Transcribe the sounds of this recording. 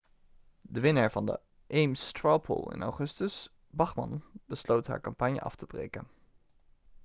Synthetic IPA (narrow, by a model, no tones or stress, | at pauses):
dəʋɪnəɹvɑndə̰ | ʔejmstɹɑpʰo̰lˠɪ̰nʔa̰wχɵstəs | bɑχmɑ̰nbəslowtɦa̰ːɹkɑmpɑɲjə̰ʔɑ̰ftəbrḛjkən